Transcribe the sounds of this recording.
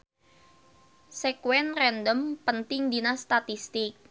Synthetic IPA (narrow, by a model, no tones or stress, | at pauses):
sekwɛnrɛnd̪əmpənt̪ɪŋd̪inast̪at̪ist̪ɪk̚